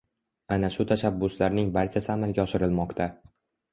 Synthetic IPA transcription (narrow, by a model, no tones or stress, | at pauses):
anaʃʊt̪ʰaʃabːʊslaɾnɪŋbaɾt͡ʃʰasɪamalˠɡʲaɒʃɪɾɪlmɒqt̪ʰa